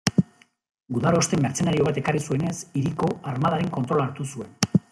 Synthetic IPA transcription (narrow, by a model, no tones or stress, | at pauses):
ɡuðaɾo̞ːst̪e̞mːe̞ɾt͡se̞naɾio̞β̞at̪e̞karisue̞ne̞siɾiko̞aɾmaðaɾeŋko̞nt̪ɾo̞laɾt̪usue̞n